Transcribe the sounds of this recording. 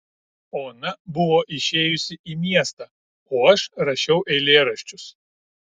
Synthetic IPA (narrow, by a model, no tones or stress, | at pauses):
oːɐnɐbʊʋoːʔɪʃʲeːjʊsʲɪʔiːmʲiɛst̪ɐ | oːɐʃɾɐʃʲɛʊʔɛɪlʲeːɾɐʃʲt͡ʃʲʊs